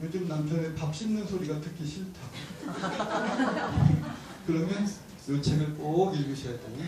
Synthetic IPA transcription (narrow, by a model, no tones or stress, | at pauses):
jod͡ʑɯmnampʰjʌnepap̚ɕ͈imnɯnsʰoɾiɡatʰɯkʰiɕʰiɭtʰa | kɯɾʌmjʌn | jot͡ɕʰeɡɯɭk͈oɡiɭɡɯɕʰijat͈eni